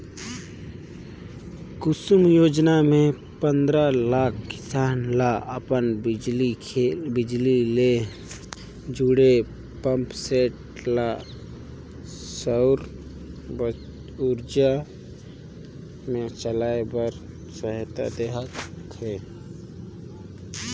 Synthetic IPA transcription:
kʊsumjoːd͡ʒnamẽ | pənd̪ɾalaːkʰkɪ̥saːnlaʔəpənliebɪd͡ʒlile | d͡ʒuɽe | pəmpseːʈ | la | səʊɾ | b | ʊɾd͡ʒa | mẽt͡ʃəlaːebəɾ | səɦt̪a̰d̪eɦəkkeː

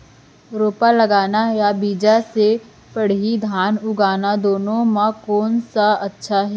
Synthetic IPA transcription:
ɾoːpalɐɡaːnajabiːd͡ʒase | pɐɽ̤id̪ʱaːnʊɡaːnad̪oːnõmãkoːnsaɐtːʃʰaɦɛː

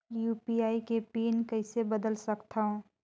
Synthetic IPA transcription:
juːpiaːikepiːnkɐɦɪsebəd̪əlsɐkt̪aɦõː

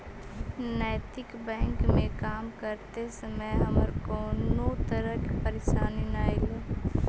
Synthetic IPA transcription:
nəːt̪ɪkbɛ̃ːŋkmẽkaːmkəɾt̪esəməjɦəməɾkoːnot̪əɾəkpəɾeʃaːninaːiloː

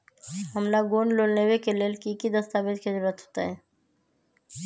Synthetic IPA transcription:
hɐmlaɡoːnloːlnewekeleːlkikid̪əst̪aːbɪd̪kizʊɾɾət̪ɦo̥ːt̪aɦɛː

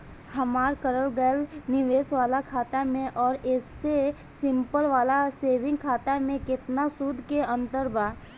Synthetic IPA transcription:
həmaːɾkəɾəlɡəlnɪʋeːsʋaːlakʰaːt̪amẽʔɔːɾesːe | sɪ̃mpəlʋaːlaseːʋɪ̃ŋɡkʰaːt̪amẽkɪt̪nasud̪ʱkeə̃nt̪əɾbaː

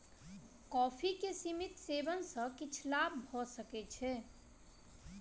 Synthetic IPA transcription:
kɔpʰikesimit̪sebənsə̃kit͡ʃʰlabbʱɔsəkɛt͡ʃʰɛ

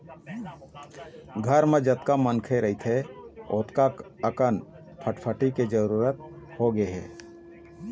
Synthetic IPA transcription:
ɡʱəɾmed͡ʒət̪kamənkʰeɾəɦit̪ʰɦeoːt̪kaəkən | pʰəʈpʰəʈiked͡ʒəɾuːɾət̪ | hoɡeɦɛ̰ː

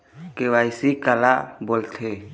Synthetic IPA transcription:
keʋaːɪsikalaboːlt̪ʰeː

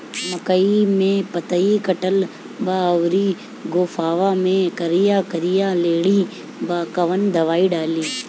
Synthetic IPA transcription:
məkəimẽːpət̪əikəʈəl | baːʋɾiː | ɡoːfʰaːʋaːmẽkəɾɪjaːkəɾɪjaleːɽiː | baːkɐʋənd̪ɐʋaːiɖaːliː

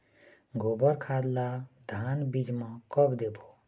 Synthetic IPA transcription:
ɡʱobəɾkʰad̪lad̪ʱaːnbid͡ʒmãkɔbd̪ebo

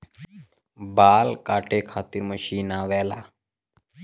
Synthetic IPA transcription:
baːlkaːʈekʰat̪iːɾməɕiːnaʋɛla

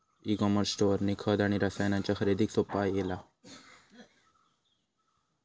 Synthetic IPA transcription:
iɡoməɾsʈoɾnikʰəd̪aɽ̃iɾasajnãnt͡ɕjaxəɾid̪ʱiːksopajela

